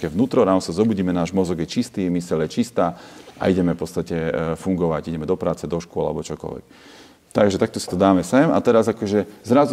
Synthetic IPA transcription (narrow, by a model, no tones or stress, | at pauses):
kɛʋnuːt̪ɾɔɾasazɔbuːɟiːmɛnaːʒmɔzɔɡjɛt͡ʃist̪iːmisɛljɛt͡ʃist̪aːa̰ʔiɟɛmɛfpɔt͡st̪acɛfuŋɡɔʋaɟiɟɛmɛd̪ɔpɾaːt͡sɛd̪ɔʃkʊɔla̰lɛbɔt͡ʃɔkɔ̰lʋɛ̰k | t̪aɡʒɛt̪ak̚t̪ɔsit̪ɔd̪aːmɛsɛma̰t̪ɛɾazakɔʒɛzɾaz